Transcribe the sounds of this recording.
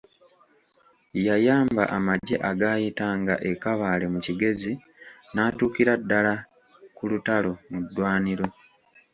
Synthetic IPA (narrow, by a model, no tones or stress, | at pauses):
jajaːmba̰ʔamaɟːe̞ʔaɡaːjitaŋɡaʔe̞kaβaːle̞muciɡe̞zi | naːtuːkiɾadːala | kulutalo̞mudːwaːniɾo̞